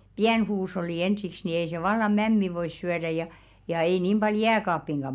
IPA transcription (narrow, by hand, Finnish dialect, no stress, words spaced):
piæn huːsh̞olːi ensiks ni ei se ʋɑlːɑ mæmːi ʋois syæræ jɑ jɑ ei niˑm b̥ɑl jæːkɑːpːiŋɡ̊ɑ